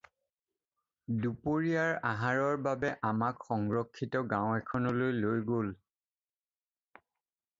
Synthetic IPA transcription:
dupoɹiaɹaɦaɹɔɹbabɛʔamakxɔŋɹɔkʰːitɔɡãwʊ̃ɛkʰɔnɔlojlojɡol

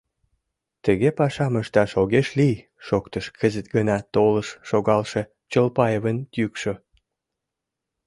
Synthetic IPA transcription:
t̪əɣepɑʃɑməʃt̪ɑʃoɣeʃlij | ʃokt̪əʃkʰəzət̪ɡənɑt̪oləʃːoɣɑlʃe | t͡ɕəlpɑjevənt̪ykʃo

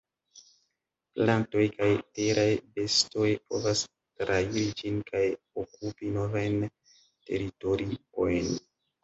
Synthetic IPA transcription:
planto̞jkajteɾʔajbe̞sto̞jpo̞̰vas | tɾaiɾid͡ʒinkʰaj | okupino̞vajn | te̞ɾito̞ɾio̞jn

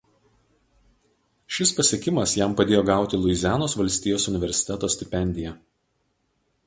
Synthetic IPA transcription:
ʃʲɪspɐsʲiɛkʲɪmɐsjæmpɐd̪ʲeːjoːɡɑˑʊt̪ʲɪlˠʊɪzʲæːnoːsʋɐlʲsʲt̪ʲiːjoːsʊnʲɪʋʲɛɾʲsʲɪ̥t̪ʲɛt̪oːsʲt̪ʲɪpʲɛnʲd̪ʲɪjɛ

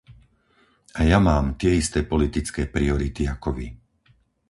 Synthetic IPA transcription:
ajamaːmt̪ɪɛist̪ɛːpɔlit̪it͡skɛːpɾiɔɾit̪iakɔʋi

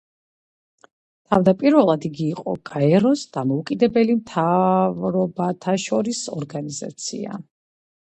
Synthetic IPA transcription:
t̪ʰavd̪apʼiɾvɛlˠad̪iɡiːqʼɔ̰ɡ̥aɛɾɔsd̪̥amɔukʼid̪ɛbɛlimt̪ʰavɾɔbat̪ʰaʃɔɾisɔ̰ɾɡaniza̰t̪sʰḭa̰

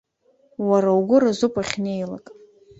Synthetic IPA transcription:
waɾawɡʷʊɾazupʼaχʲnejla̰kʼ

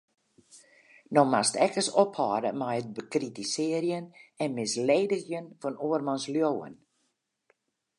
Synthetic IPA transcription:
nɔmastɛkəsɔphɔːdəmɛjət̚bəkritisɪərjənɛnmɪsleːdəxjənfɔnoərmɔnsljoːə̰n

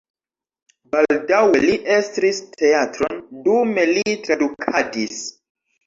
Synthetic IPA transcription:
baldaweliʔestɾistʰe̞atɾo̞ndume̞litɾadukʰadis

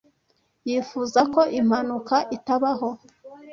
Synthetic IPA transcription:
jifuzako̞ʔim̥hanukaʔitaβaɦo̞

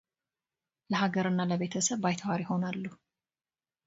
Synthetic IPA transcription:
ləɦaɡəɾɨnːaləβe̞t̪ʰəsəβbajt̪ʰwaɾɪho̞nalːuh

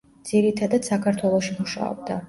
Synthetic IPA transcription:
d̪z̥iɾit̪ʰad̪ad̪̥sakʰaɾt̪ʰwɛlˠɔʃimuʃa̰ɔ̰b̚d̪a

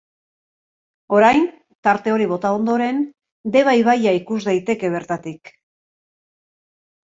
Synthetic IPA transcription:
o̞ɾajn | t̪aɾt̪e̞o̞ɾiβ̞o̞t̪ao̞nd̪o̞ɾe̞n | d̪e̞β̞ajβajaikuzd̪ajt̪e̞ke̞β̞e̞ɾt̪at̪ik

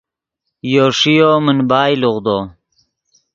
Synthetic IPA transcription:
joːʂijoːmunbaːjluʁd̪oː

